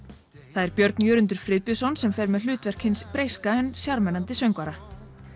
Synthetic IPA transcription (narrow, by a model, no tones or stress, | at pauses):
θaðɛɾpjœɾt̪njœːɾʏnt̪̬ʏɾ̥fɾɪːðpjʏsɔnsɛmfɛɾmɛðlʏːt̪vɛr̥kʰɪnspɾeːjskaɛnsjaɾmɛnant̪ɪsœɥŋkvaɾa